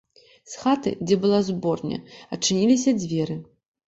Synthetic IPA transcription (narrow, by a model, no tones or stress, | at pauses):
sxat̪ɨ̰d͡zʲɛbɨlˠazbɔrnʲɐ̰ɐt͡ʂːɨnʲilʲis̬ʲɐd͡zʲvʲɛɾɨ